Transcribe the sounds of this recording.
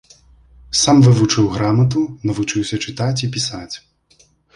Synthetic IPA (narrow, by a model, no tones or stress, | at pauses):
samvɨvut͡ʂɨwɣɾamɐt̪̬unɐvut͡ʂɨwsʲɐt͡ʂɨt̪at͡sʲipʲisat͡sʲ